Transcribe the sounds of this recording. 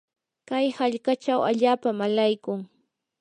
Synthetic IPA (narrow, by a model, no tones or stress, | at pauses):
kajhaʎkat͡ʃawa̰ʎaːpamalajkʊŋ